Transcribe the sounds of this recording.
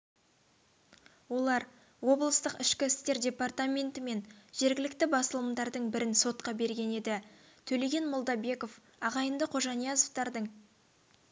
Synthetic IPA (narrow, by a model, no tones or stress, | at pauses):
wo̞lˠɑɾ | wo̞blˠəst̪əqɪʃkʲɪɪst̪e̞ɾdʲe̞part̪amʲe̞nt̪ɪme̞nʒ̥e̞ɾɡʲɪlɪk̚t̪ɪbɑsəlˠəmd̪ɑɾd̪əɴbɪɾɪnso̞t̪qɑbe̞ɾɡʲe̞ne̞d̪ɪ | t̪ʰɵle̞ɡʲe̞nmolˠd̪ɑbe̞ko̞f | ɑʁɑjənd̪əqʰo̞ʒɑnijɑzoft̪ɑɾd̪əɴ